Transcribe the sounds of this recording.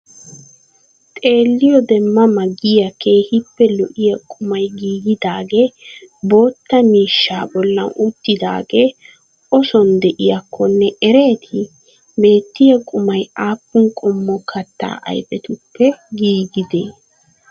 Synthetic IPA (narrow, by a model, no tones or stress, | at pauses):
t̪ʼe̞ːlːɪjɔd̪ɛmːɐmɐɡɪjɐkʰe̞ːhɪpːɛlɔʔɪjɐkʼʊmɐjɡiːɡɪd̪aːɡebo̞ːt̪ːɐmiːʃːaːbɔlːɐnʔʊt̪ːɪd̪a̰ːɡeː | ʔɔsɔnd̪ɛʔɪjɐkʰːɔnːɛʔɛɾe̞ːt̪ʰɪ | be̞ːt̪ːɪjɐkʼʊmɐjaːpːʊŋkʼɔmːɔkʰɐt̪ːa̰ːʔɐ̰jbɛt̪ʊpːɛɡiːɡɪd̪eː